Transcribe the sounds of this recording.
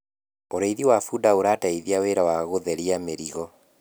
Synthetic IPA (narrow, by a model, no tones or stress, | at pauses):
oɾeiðiwafudaoɾataiðiaweɾawaɣoðɛɾiameɾiɣɔ